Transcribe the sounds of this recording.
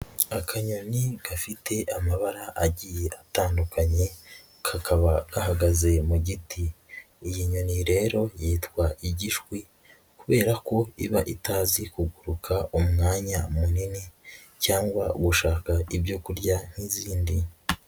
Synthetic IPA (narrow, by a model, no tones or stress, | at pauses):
akʰaɲo̞niɡ̥afitʰe̞ʔamaβaɾaʔaɟije̞ʔataːndukaɲe̞ | kʰakaβaɡ̥aɦaɡaze̞muɟitiː | jiɲo̞niɾe̞ːɾo̞jeːtkwaʔiɟiʒɡwi | kuβe̞ːɾako̞iβaʔitaːzikuɡuɾukʰaʔumŋaːɲamunini | caːŋɡwaɡuʃaːkaibjo̞kuɾɟan̥hiziːndi